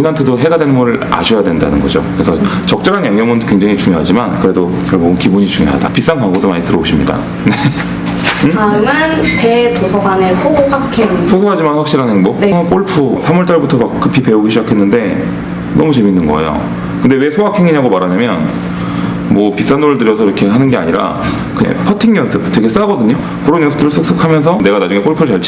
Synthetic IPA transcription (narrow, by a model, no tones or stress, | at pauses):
inɦantʰe̞doɦe̞ɡadwe̞nɯnɡʌɾɯɭa̰ɕʰʌjadwe̞nda̰nɯnɡʌd͡ʑo̰kɯɾe̞sʰʌt͡ɕʌk̚t͡ɕ͈ʌɾanjaŋjʌmɯndokwe̞ŋd͡ʑaŋit͡ɕuŋjoɦad͡ʑimankɯɾe̞dokjʌɭboɡɯnkibuɲit͡ɕuŋjo̰ɦa̰da̰pis͈aŋpaŋɡodomaɲitʰɯɾʌboɕʰimɲida̰ | ne̞ | aɯnɯnketosʰʌɡanesʰohakʰiŋsʰosʰoɦad͡ʑimanwakɕ͈iɾaneŋbonŋk͈oɭpʰṵsʰamʌɭt͡ɕ͈aɭbutʰʌmak̚k͈ɯpʰipe̞uɡiɕʰid͡ʑakʰe̞nːɯnde̞ | nʌmut͡ɕe̞minːɯnɡʌ̰ḛjo̰ | kɯndewe̞sʰobakʰeŋiɲaɡomaɾɦaɲamjʌ̰n | mwʌpis͈anːoɾɯɭtɯɾjʌsʰʌiɾʌkʰe̞ɦanɯnɡe̞a̰ɲiɾa̰ | kɯḛpʰʌtʰiŋːjʌnsʰɯp̚tʰeɡe̞s͈aɡʌdɯɲo | kɯɾʌnjʌnsʰɯ̥td͈ɯɾɯɭsʰɯk̚s͈ʰɯkʰamjʌns̬ʰʌne̞ɡanad͡ʑuŋe̞k͈oɭpʰuɾɯɭt͡ɕaɭt͡ɕʰ